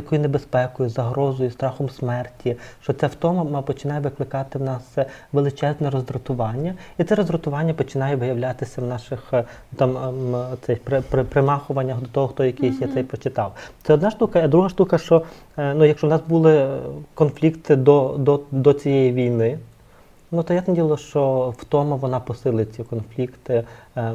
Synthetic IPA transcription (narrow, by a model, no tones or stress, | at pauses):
jɐkɔjʊnebespɛkɔjʊzɐɦɾɔzɔjʊst̪ɾɑxɔmsmɛrtʲiʃt͡ʃɔt͡s̪ʲawt̪ɔmɐmɐpɔt͡ʃɪnɑjɛʋɪklˠɪkɑt̪ɪwnɑsɛʋelˠɪt͡ʃɛznɛɾɔzɾʊt̪ʊʋɑnʲːɐit̪sɛɾɔzdɾʊt̪ʊʋɑnʲːɐpɔt͡ʃɪnɑjɛʋɪjɐwlʲat̪ɪsʲɐwnɑʃɪx | t̪ɑmt̪sɛjpɾepɾepɾemɑxʊʋɐnʲːɐɦd̪ɔt̪ɔɦɔxt̪ɔjɐkijsʲjat̪sɛjpɾɔt͡ʃɪt̪ɑwt̪sɛɔd̪nɑʃt̪ukɐid̪ɾuɦɐʃt̪ukɐʃt͡ʃɔ | nujɐkʃt͡ʃɔwnɑsbulˠɪkɔnflʲikt̪ɪd̪ɔd̪ɔd̪ɔt͡sʲijɛjiʋʲijnɪ | nut̪ɔjasnɐdʲilˠɐʃt͡ʃɔft̪ɔmɐʋɔnɑpɔsɪlˠɪt͡sʲikɔnflʲikt̪ɪ